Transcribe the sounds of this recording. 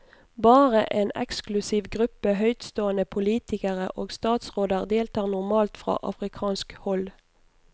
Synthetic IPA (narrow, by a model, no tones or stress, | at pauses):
bɑːʁəʔeːnɛ̰ksklʉsɪʋɡʁʉpəɦœʏt̪st̪oːənəpʰʊliːt̪ɪkəʁə̰ʔoːɡst̪ɑːt̪sʁoːd̪əʁd̪eːlt̪ʰɑːʁnʊʁmɑːlt̪fʁɑ̰ːʔɑ̰fʁɪkʰɑːnskhɔl